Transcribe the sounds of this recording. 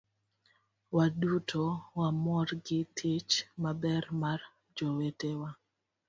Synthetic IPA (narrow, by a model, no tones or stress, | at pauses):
wadutʰowamɔrɡɪtʰɪt͡ʃmabɛrmar | d͡ʒowetewa